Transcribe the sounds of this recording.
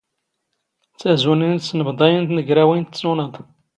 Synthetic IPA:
t͡sːæzunind̪snəbd̪ˤɑjənt̪nəɡɾæwint̪sunəd̪ˤ

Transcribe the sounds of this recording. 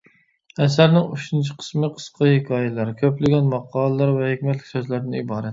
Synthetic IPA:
æsæɾnɪŋuʃɪnt͡ʃʰi̥qʰə̥smɪqʰə̥sqʰɑhekʰʲɑːjɛlæɾkʲʰøplɪɡʲɛnmɑqʰːɑːlˠəlˠɑɾvɛhekʲmɛt̪lɪ̥kʲsøzlæɾnɪibɑːɾɛt̪

